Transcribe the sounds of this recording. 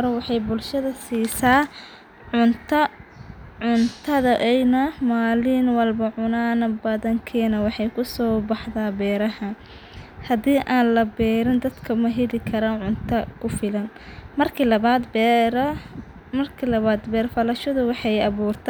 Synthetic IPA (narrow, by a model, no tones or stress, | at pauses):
ɾɐwɑħɑjbʊlʃɐðɐsiːsaː | ʕʊnt̪ʰɐ | ʕʊnt̪ʰɐðɐʔɛjnɐmaːlɪnwɐlbɐʕʊnaːnɐbɐðɐŋkʰɛːnɐwɑħɑjkʰʊsɔːbɑħðaːbɛːɾɐhɐn | hɐdiːʔaːnlɐbɛːɾɪnd̪ɐd̪kʰɐmɐɦɛlɪkʰɐɾaːʕʊnt̪ʰɐkʰʊfɪlɐn | mɐrkʰlɐaːd̪bɾ | mɐrkʰilɐβaːd̪bɛːrfɐlɐʃɐðʊwɑħɑjɐβuːrt̪ʰ